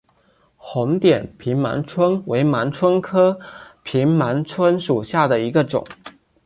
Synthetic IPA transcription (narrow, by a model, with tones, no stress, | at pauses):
xʊ˧˥ŋt̪jɛ˨˩npʰi˧˥nma̰˧˥nʈ͡ʂʰwə˥nwe˧˥ɪma˧˥nʈ͡ʂʰwə˥nkʰɤ˥pʰi˧˥ŋma˧˥nʈ͡ʂʰwə˥nʂu˨˩ɕja˥˩d̪ə˩i˧˥ɡə˧ʈ͡ʂʊ̰˨˩˦ŋ